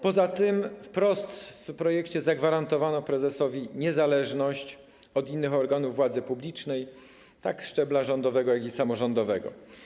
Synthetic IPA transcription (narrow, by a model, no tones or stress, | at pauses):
pɔzat̪ɘmfpɾɔst̪fpɾɔjɛkt͡ɕɛzaɡvaɾant̪ɔvanɔpɾɛzɛsɔvʲiɲɛzalɛʐnɔɕt͡ɕ | ɔd̪inːɘxɔɾɡanuvːwad̪zɘpublʲit͡ʂnɛj | t̪aksʂt͡ʂɛblaʐɔnd̪ɔvɛɡɔjakisamɔʐɔnd̪ɔvɛɡɔ̰